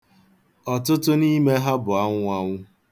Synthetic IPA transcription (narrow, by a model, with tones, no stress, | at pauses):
ɔ˨tʊ˦tʊ˦ni˦me˦ɦa˦bʊ˨a˦ŋʷʊ˦a˦ŋʷʊ˦